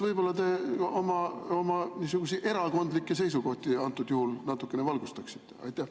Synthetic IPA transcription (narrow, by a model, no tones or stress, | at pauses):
vɤjb̥o̞lːɑt̪e̞o̞mɑo̞mɑniːsuɡ̥usiʔe̞ɾɑko̞nd̪likːˑese̞js̬uko̞ht̪iɑnt̪ːˑud̪̥juhulnɑt̪ːˑukːˑe̞nevɑlɡ̥ust̪ɑksi̥t̪ːe̞ɑ̰jt̪ːˑæh